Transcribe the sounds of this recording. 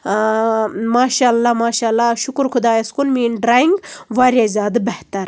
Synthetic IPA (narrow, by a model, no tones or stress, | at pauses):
maːʃaːlːamaːʃaːlːaʃukɾkʰud̪aːjɐskunmiːnɖɾaːjiŋɡʋaːɾjazʲaːd̪ɨbeht̪ɐɾ